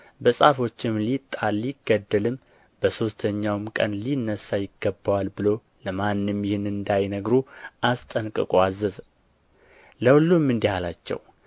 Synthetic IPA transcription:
bəsʼafo̞t͡ʃːɪmlit̪ʼalːiɡ̥əd̪ːəlɨm | b̥əso̞st̪ʰəɲːawmkʼə̰nlinːəsajɪɡːəbawalbɨlo̞ | ləmanːɨmjɪhɨnɨnd̪ajnəɡɾuʔast̪ʼənkʼɨ̰kʼuazːəz | ləwlːumːɨnd̪ihalat͡ʃːɛ̰w

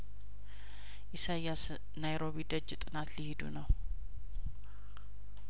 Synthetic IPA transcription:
ʔisajas | najɾo̞βid̪əd͡ʒːt̪ʼɨnat̪lihid̪ṵnəw

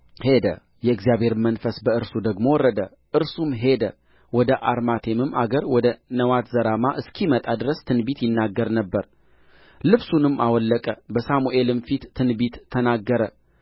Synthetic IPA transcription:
he̞d̪ə̰ | jɛɨɡzjaβe̞ɾmənfəsbəɨɾsud̪əɡmo̞wɔrːəd̪ə | ʔɨɾsumɦe̞d̪ə̰ | wɔd̪əʔaɾmat̪ʰe̞mɨmːaɡəɾwɔd̪ənəwat̪zəɾamaʔɨskʰimət̪ʼad̪ɨɾəst̪ʰɨnbit̪jɪnːaɡːəɾnəbːəɾ | lɨβsunɨmːʔawɔlːəkʼəbəsamuʔe̞lɨmfit̪ːʰɨnbit̪ːʰənaɡːəɾə

